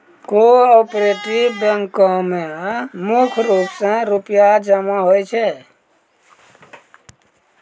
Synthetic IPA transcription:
koɔpɾeʈɾibəŋkɔmemukʰɾupsə̃ɾupjad͡ʒəmaɦojt͡ʃʰɛ

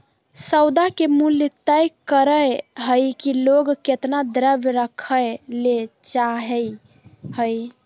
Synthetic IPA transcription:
səwd̪akemuljət̪əjkəɾəjɦəjkiloɡket̪nad̪ɾəbɾəkʰəjlet͡ʃaɦɛ | həj

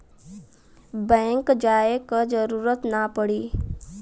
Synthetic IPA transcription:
bɛ̃ːŋkd͡ʒaːekad͡ʒəɾuːɾət̪napəɽiː

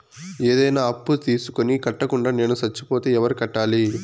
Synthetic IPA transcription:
eːd̪ɐjnaːɐpːut̪iːsu̥konikɐʈːɐkuɳɖaːne̞ːnusɐt͡ʃːipoːt̪eːɛʋɐɾikɐʈːaːli

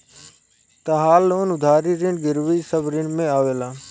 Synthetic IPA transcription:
t̪əɦaːlʊnʊd̪ʱaːɾiːɾɪ̃ɳɡɪɾʋiːsəbɾɪɳɖmẽːaːʋeːlaː

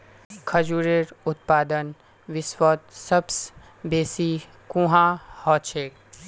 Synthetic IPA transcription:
kʰɐd͡ʒuːɾeɾʊt̪̚paːd̪ən | ʋɪswɔːt̪sɐbs | beːsiː | kũːɦãːhɔːt͡ʃʰeːk

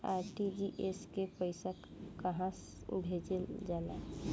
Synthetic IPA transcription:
aːɾʈid͡ʒiʔeskepəɪsək | kəɦãs | ṵbʱed͡ʒeld͡ʒala

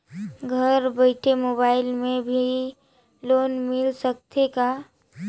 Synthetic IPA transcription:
ɡʱəɾbəɪʈʰemoːbaːɪlmẽbʱi | loːnmɪlsək̚t̪ʰeka

